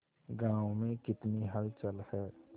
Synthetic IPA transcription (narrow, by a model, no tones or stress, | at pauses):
ɡãːʊmẽkɪt̪niɦəɾt͡ʃəlhɛː